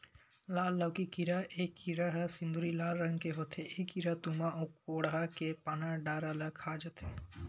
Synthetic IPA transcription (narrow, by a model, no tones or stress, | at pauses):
laːlːɐwkikiɾaʔekːiɾaɦɐsĩnd̪ʱuɾilaːlɾəŋɡkeɦot̪ʰeʔekiɾat̪umaokoːɽɦakepanaɖaːɾalakʰaːd͡ʒət̪ʰe